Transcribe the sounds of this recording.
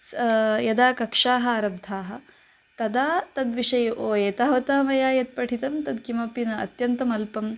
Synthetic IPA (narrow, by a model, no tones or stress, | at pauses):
sjɐd̪aːkɐkʂaːɦɐ̆aːɾɐb̚d̪ʱaːɦɐ̆ | t̪ɐd̪aːt̪ɐd̪ʋiʂɐjɐʔoːeːt̪aːʋɐt̪aːmɐjaːjɐt̪̚pɐʈʰit̪ɐmt̪ɐd̪kimɐpinɐɐ̰t̪jɐnt̪ɐmɐlpɐm